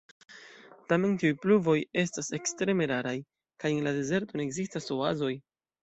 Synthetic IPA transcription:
tame̞ntiujpluvo̞je̞stase̞kstɾe̞me̞ɾaɾaj | kajenlade̞ze̞ɾto̞ne̞ːɡzistaso̞azo̞j

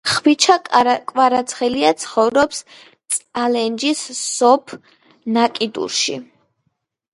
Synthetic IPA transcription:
χwit͡ʃʰakʼwaɾat̪sʰχɛliat̪sʰχɔvɾɔps | t̪sʼalɛnd͡ʒisːɔpʰ | nakʼid̪ṵɾʃḭ

